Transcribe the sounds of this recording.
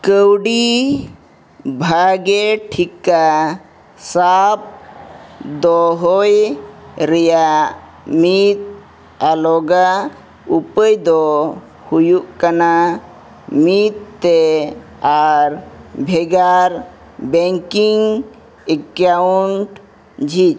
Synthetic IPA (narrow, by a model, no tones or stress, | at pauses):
kəwɖi | bʱaɡeʈʰikːa | sap̚ | d̪ɔɦoj | ɾəja | mit̪ | alɔɡa | upəjd̪ɔ | hujuʔkəna | mit̪ːe | aɾbʱeɡaɾ | beŋkiŋ | ekauɳʈ | d͡ʒʱit͡ʃ